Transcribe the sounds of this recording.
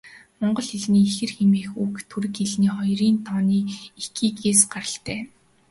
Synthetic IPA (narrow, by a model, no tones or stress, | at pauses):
mɔɴɢɞ̆ɮxeɮniːixɘ̆rxemeːxukt̪ʰuɾɘ̆keɮniːχɔjriːnt̪ʰɔːniːekiːkeːsɢaɾə̆ɬt̪æː